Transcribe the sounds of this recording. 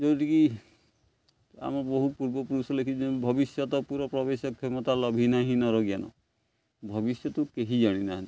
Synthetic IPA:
d͡ʒoʈiki | a̰mɔboɦupuɾbɔpuɾusɔlekʰit͡ʃʰiebʱɔbisjɔt̪ɔpuɾɔpɾɔbesɔkʰɔmɔt̪alɔbʱinaɦinɔɾɔɡijanɔ̰ | bʱɔbisjɔt̪ukeɦid͡ʒaɽ̃ina

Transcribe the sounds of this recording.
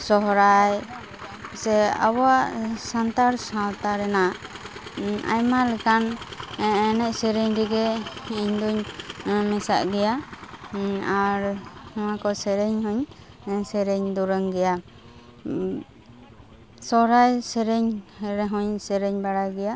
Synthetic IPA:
sɔɦɾaj | sɛa̰bɔaʔsant̪aɾsãwt̪aɾɛna | a̰jmalɛkan | ɛnɛʔ̚sɛɾɛɲɾiɡɛiɲd̪uɲmɛsa̰ʔɡɛja | aɾɔmakɔsɛɾɛɲhɔɲ | ɛsɛɾɛɲd̪uɾəŋɡɛja | sɔɦɾajsɛɾɛɲhɛɾɛɦɔɲsɛɾɛɲbaɽajɡɛja

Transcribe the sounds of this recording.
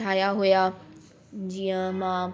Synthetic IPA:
aːjaɦuja | d͡ʑiːə̃mãː

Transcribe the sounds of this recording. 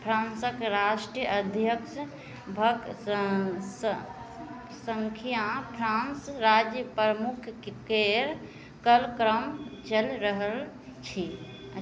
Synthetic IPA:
pʰɾãnsəkɾaʃʈɾijəəd̪ʱjəks | bʱək | s | səŋkʰijapʰɾãnsɾad͡ʒjəpɾəmukʰkeɾ | kəlkɾəmt͡ʃəlɾəɦəl | t͡ʃʰi

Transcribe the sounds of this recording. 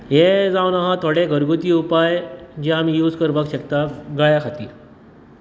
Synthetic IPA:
ɦed͡zawnaɦãt̪ʰoɽeɡəɾɡut̪iːupajd͡ʑiamiːjuːd͡zkəɾbəkɕəkt̪aɡajakʰat̪ḭːɾ

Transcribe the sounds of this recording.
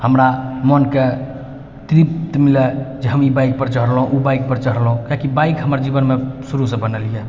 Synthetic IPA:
həmɾamənke | t̪ɾipt̪milɛd͡ʒeɦəmibaik̚pəɾt͡ʃəɦɾlɦũʔubaik̚pəɾt͡ʃəɦɾlɦũkjakibaikɦəməɾd͡ʒibənmesuɾusẽbənəlije

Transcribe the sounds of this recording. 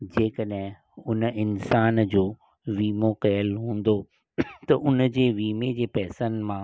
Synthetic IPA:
d͡ʑeːkəɗɦɪ̃ | ʊnɪnsaːnd͡ʑoː | ʋiːmokɐjəlɦũːn̆d̪o | t̪ɐʔʊnd͡ʑeːʋiːmed͡ʑeːpɛːsən̆mãː

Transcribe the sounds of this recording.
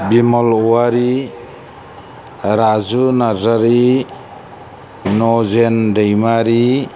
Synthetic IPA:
bimɔlɔwaɾi | ɾazunazaɾi | nɔzendejmaɾi

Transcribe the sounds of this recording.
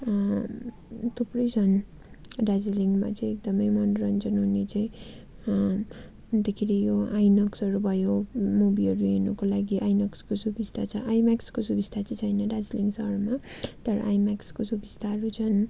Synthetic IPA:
t̪ʰuprʌjt͡sʰʌn | ɖad͡zeliŋma̰t͡sʌj̃ek̚d̪ʌmʌjmʌnrʌnt͡sʌnʌnet͡sʌĩ | d̪ekʰiɾijoajnʌksʌɾubʱʌjomubiʌɾuenukolaɡiʔajnʌkskosubist̪ʰat͡sʰʌʔajmakskosubist̪ʰat͡st͡sʰʌjnʌdad͡zliŋsʌrmat̪ʌɾʌ̰ʔajmakskosubist̪aʌɾut͡sʰʌn

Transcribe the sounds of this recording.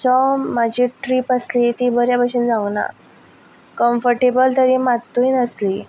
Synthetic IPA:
t͡sɔmad͡ʑʱiːʈɾiːpaslit̪iːbəɾjapaɕuːnd͡zauna̰ | kəmfəɾʈebəlt̪əɾiːmat̪ːuinəsli

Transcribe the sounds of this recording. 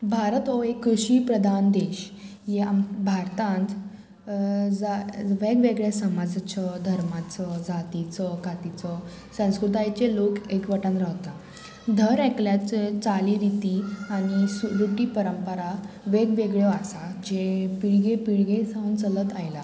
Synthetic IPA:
bʱaɾət̪ɔekːɾuɕiːpɾəd̪ʱand̪eɕjeambʱaɾt̪ãnt̪ | d͡zaʋeɡʋeɡɭasəmad͡zt͡ɕəd̪ʱəɾmat͡səd͡zat̪it͡səkat̪it͡sə | sə̃w̃skɾut̪ajt͡ɕelokekʋəʈãnɾawt̪a | d̪ʱəɾɛkljat͡set͡saliɾit̪iañisuɾuʈiːpəɾəmpəɾa | ʋeɡʋeɡɭjoasad͡ʑepiɭɡepiɭɡẽsãwnt͡sələt̪ajla

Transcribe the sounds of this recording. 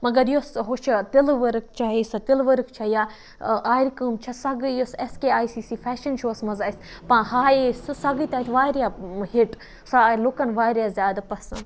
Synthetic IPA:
mɐɡɐɾjosɦoʃʰt̪ilʋɐɾɨkt͡ʃʰaisɐt̪ilʋɐɾɨkt͡ʃʰɐjaː | ʔaːiɾkəmt͡ʃʰɐsɐɡɨjoseskeaːisiːsiːfʰɛːʃɐnʃoːsmɐzaːis | pãhaːessɐɡit̪aːit̪ʰʋaːɾjaɦiʈ | salokɐnʋaːɾjazʲjaːd̪pɐsɐ

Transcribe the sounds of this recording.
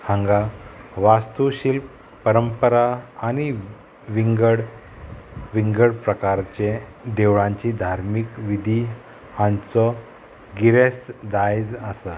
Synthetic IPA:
hãŋɡaʋast̪uɕilp | pəɾəmpəɾaːni | ʋiŋɡəɽ | ʋiŋɡəɽpɾəkaɾt͡ɕed̪eʋɭãɲt͡ɕid̪ʱaɾmikʋid̪ʱi | hãnt͡sɔ | ɡiɾesd̪ajd͡zasə

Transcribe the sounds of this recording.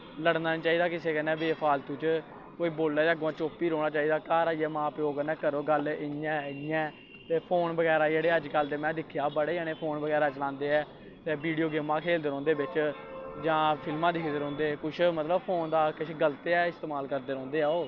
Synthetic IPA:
ləɽnaːĩt͡ʃaːiːd̪aːkɪseːkənɛ̃ːbeːpʰaːlt̪ũːt͡ʃ | koːiːboːlːɛːəɡõaːt͡ʃoːpiːɾoːɽ̃aːt͡ʃaːiːd̪aːkaːɾaːiɛːmãːpjoːkənɛ̃ːkəɾoːɡəlɪjɛ̃ːjɛ̃ː | t̪eːpʰoːnbəɡɛːɾaːd͡ʒeːɽeːəd͡ʒkəld̪eːmɛ̃ːd̪ɪkʰjaːbəɽəneːpʰoːnbəɡɛːɾaːt͡ʃəlãːnd̪eːɛː | t̪eːbiːɖijoːɡɪmãːkʰeːld̪əɾɔ̃ːnd̪eːbɪt͡ʃ | d͡ʒãːpʰɪlmãːd̪ɪkʰːd̪əɾɔ̃ːnd̪eːkʊʃʰmət̪ləbpʰoːnd̪aːkɪʃʰɡəlt̪eːɛːɪst̪eːmaːlkəɾd̪eːɾɔ̃ːnd̪eːɛːoː

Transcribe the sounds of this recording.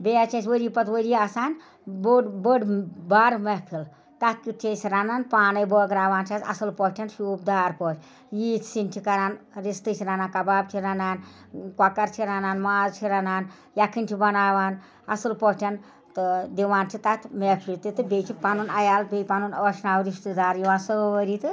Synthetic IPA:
beat͡ʃʰesʰwəɾipɐt̪ʰwoɾiasaːn | bɖbəɖbaːɾmepʰil | t̪at̪̚ʰkʲut͡ʃʰesɾananpaːnɐjbɔːɡɾaːʋaːnt͡ʃʰasɐ̰sɨlpɔɦʈʰʲɐnʃuːb̚d̪aːɾpɔːt͡ʃʰʲ | jiːt̪ʰsintʰikɐɾaːnɾist̪ɨt͡ʃʰiɾanakɐbaːb̚t͡ʃʰiɾanaːnkwakɐɾt͡ʃʰiɾanaːnmaːzt͡ʃʰiɾanaːn | jakʰɨnʲtʰibɐnaːʋaːn | ɐsɨlpɔʈʰʲɐn | t̪ɨd̪iʋaːnt͡ʃʰit̪at̪ʰmepʰilt̪it̪ɨbʲejt͡ʃʰipanunɐjaːlbʲejpanunəːʃnaːwɾist̪ɨd̪aːɾjiʋaːsəʋəɾit̪ɨ

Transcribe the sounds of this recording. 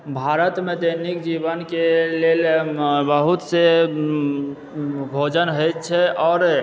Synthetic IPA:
bʱaɾət̪med̪ənikd͡ʒibənkelelbəɦut̪se | bʱod͡ʒənɦəjt̪t͡ʃʰɛɔːɾ

